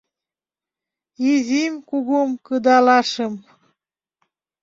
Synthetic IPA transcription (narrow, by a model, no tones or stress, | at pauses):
izʲimkuɣumkɤd̪ɑlɑʃəm